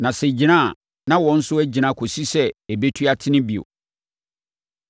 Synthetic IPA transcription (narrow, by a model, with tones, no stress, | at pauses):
nã˨sɛ˨d͡ʑi˨nã˦˨ | nã˦wɔ̃˨˦n̩˦sʊ˦æ˦d͡ʑi˨nã˦˨kʰo˨si˦sɛ˦ɛ˨be˦tʰɥa˦tʰɪ˦nɪ̃˦bi˨o̰˨